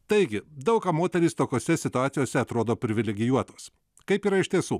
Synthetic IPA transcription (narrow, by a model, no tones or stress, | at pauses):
t̪ɐɪɡʲɪd̪ɐʊkɐːmoːt̪ʲɛɾʲiːst̪oːkʲoːsʲɛsʲɪt̪ʊɑːt̪sʲɪjoːsʲɛɐt̪ɾoːd̪oːpʲɾʲɪʋʲɪlʲɛɡʲɪjuɔt̪oːs | kɐɪpiːɾɐɪʃʲt̪ʲiɛsuː